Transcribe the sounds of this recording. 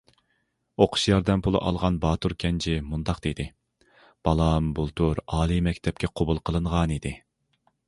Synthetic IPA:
oqʰʊ̥ʃjɑɾd̪ɛmpʰulˠɨ̰ʔɑ̰lˠʁɑnbɑːt̪ʰuɾkʲʰɛnt͡ʃʰɪmund̪ɑqd̪ed̪ɪ | b̥ɑlˠɑmbulˠt̪ʰuɾɑːlˠɨmɛkʲt̪ʰɛp̚kʲʰɛqʰobulˠqʰəlˠɨɴʁɑnid̪ɪ

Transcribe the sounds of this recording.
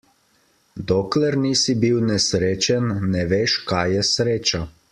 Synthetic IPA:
d̪oːklɛɾniːsibiwnɛsɾeːt͡ʃɛnːɛʋeːʃkajɛsɾeːt͡ʃa

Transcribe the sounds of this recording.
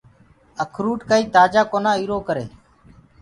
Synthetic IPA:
əkʰɾuːʈkəːiːt̪aːd͡ʒaːkoːnãːiːɾoːkəɾḛː

